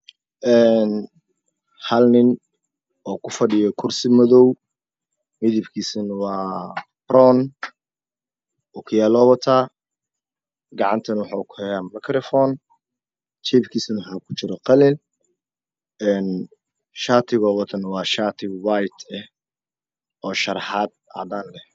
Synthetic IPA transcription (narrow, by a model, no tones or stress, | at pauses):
ʔɛn | hɐlnɪn | ɔːkʰʊfɐɖɪjɔkʰʊrsɪmɐðɔw | mɪðɪbkʰiːsɐnwɑːbrɔn | ɔkʰʊjaːlɔβɔt̪ʰaː | ɡɑʕɑnt̪ʰɐnwɑħakʰʊ̥hɛjaːmɐkʰɾɔfɔːn | t͡ʃʰɛbkʰiːsɐnwħaːkʰʊ̥t͡ʃɪɾɔqɐlɛl | ɛːn | ʃaːt̪ʰɪɣɔːβɔt̪ʰɐnwɑːʃaːt̪ʰɪɡwajt̪ʰɛh | ɔːʃɐɾħaːd̪̚a̰d̪aːnlɛh